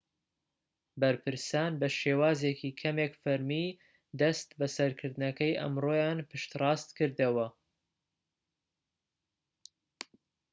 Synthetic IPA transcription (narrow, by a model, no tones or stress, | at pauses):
bɐɾpʰɨɾsaːnbɐʃeːwaːzekʰikʰɐmeːkfɐɾmiː | d̪ɐst̪bɐsɐɾkʰɨɾd̪ɨnɐkɐjʔɐ̰mroːjaːnpɨʃt̪rɑːst̪kɨɾd̪ɐwɐ